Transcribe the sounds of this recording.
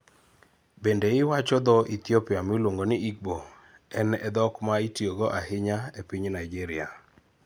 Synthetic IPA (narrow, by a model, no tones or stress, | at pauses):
bendeɪwat͡ʃɔd̪ɔʔit̪jopiamɪlwoŋɡonɪʔiɡ̚bo | ɛnɛd̪ɔkmaitjoɡoʔahɪɲaepɪɲnaiɡiɾɪa